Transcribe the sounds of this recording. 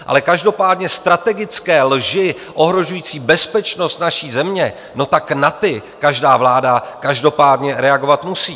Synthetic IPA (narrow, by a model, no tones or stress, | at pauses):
ʔa̰lɛkaʒdo̞paːdɲɛst̪ɾat̪ɛɡɪt͡skɛːlʒɪ | ʔo̞ɦɾo̞ʒujiːt͡siːbɛspɛt͡ʃno̞st̪naʃiːzɛmɲɛ | no̞t̪aknat̪ɪkaʒdaːvlaːdakaʒdo̞paːdɲɛɾɛaɡo̞vat̪musiː